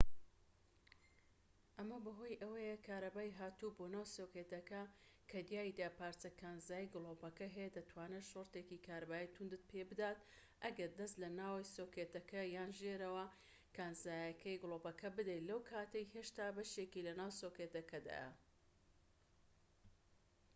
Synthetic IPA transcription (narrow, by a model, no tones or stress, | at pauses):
ʔɐmɐbɐɦo̞jʔɐwɐjɐkʰaːɾɐbaːjɦaːt̪ubonaːwsokeːt̪ɐkɐkʰɐd̪jaːid̪aːpaːɾt͡sɐkʰaːnzaːjiɡɨlˠoːpɐkɐɦɐjed̪ɐt̪ʰwaːneʃort̪ekikʰaːɾabaːjit̪ʰund̪ɨt̪̚pʰebɨd̪aːt̪ | ʔɐɡɐɾd̪ɐst̪lɐnaːwsoket̪ɐkʰɐjaːnʒeːɾɐwɐ | kʰaːnzaːjɐkʰɐjɡɨlˠopɐkʰɐbɨd̪ɐjlɐwkʰaːt̪ɐjheːʃt̪aːbɐʃekilɐnaːwsokeːt̪ɐkɐd̪a̰jɐ̰